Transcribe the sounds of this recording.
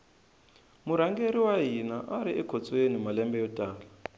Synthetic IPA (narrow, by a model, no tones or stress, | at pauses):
muɾ̤aŋɡeɾiwaɦinaʔaɾiʔɛkʰɔt͡sʼwenimalɛmbɛjɔtʼaːla